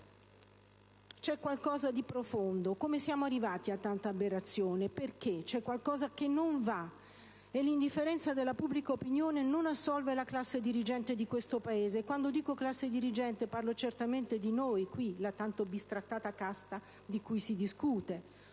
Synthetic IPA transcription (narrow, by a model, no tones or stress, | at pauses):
t͡ʃɛkːwalkɔːzad̪ipɾofond̪okomesjaːmoarːivaːt̪iat̪ːant̪aːbːeɾat̪sːjoːneperket͡ʃɛkːwalkɔːzakenːoɱva | elːind̪ifːeɾɛnt̪sad̪elːapubːlikaopinjoːnenonasːɔlvelaklasːed̪iɾid͡ʒɛnt̪ed̪ikwest̪opaeːzeːkːwand̪od̪iːkoklasːed̪iɾid͡ʒɛnt̪eparlot͡ʃert̪ament̪ed̪inojkwilat̪ːant̪obist̪ɾat̪ːaːt̪akast̪a | d̪ikujsid̪iskuːt̪e